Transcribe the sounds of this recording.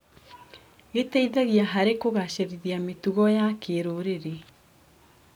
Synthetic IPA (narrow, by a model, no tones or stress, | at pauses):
ɣetɛiðɛɣiaɦaɾekoɣaɕeɾiðiametuɣɔjakeɾoɾeɾe